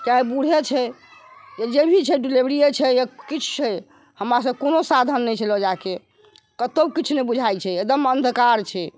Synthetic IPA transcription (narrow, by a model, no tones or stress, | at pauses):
kaɦibuɽ̤ʱet͡ʃʰɛ | jed͡ʒebʱit͡ʃʰɛɖilibɾijet͡ʃʰɛjekit͡ʃʰt͡ʃʰɛ | həmɾas̬əb̚konosad̪ʱənːɛjt͡ʃʰɛlɔd͡ʒake | kət̪obkit͡ʃʰnɛbud͡ʒʱajt͡ʃʰɛed̪əmənd̪ʱkaɾt͡ʃʰɛ